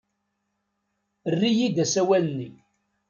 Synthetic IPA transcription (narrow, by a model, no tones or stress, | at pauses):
ərːijid̪æsæwælənːi